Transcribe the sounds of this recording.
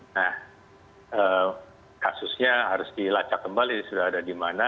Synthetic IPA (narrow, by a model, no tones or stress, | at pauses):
nah | əː | kasʊsɲaɦaɾʊsdilat͡ʃakːəmbalisudaɦadadimana